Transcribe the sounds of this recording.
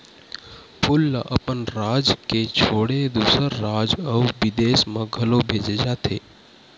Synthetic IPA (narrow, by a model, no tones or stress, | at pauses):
pʰʊlːʔəpənɾaːd͡ʒket͡ʃʰoːɽed̪uːsəɾːaːd͡ʒəuʋɪd̪eːsmə̃ɡʱɐlobʱeːd͡ʒed͡ʒaːt̪ʰeː